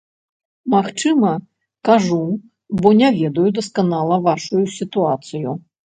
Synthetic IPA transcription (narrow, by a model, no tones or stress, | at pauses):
maxt͡ʂɨmɐ | kaʐu | bɔnʲavʲɛd̪ɐjud̪ɐskanalˠɐvaʂujusʲit̪uat̪sɨju